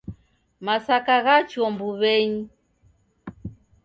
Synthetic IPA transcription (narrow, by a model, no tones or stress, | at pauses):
masakaɣat͡ʃɔmbuβɛɲi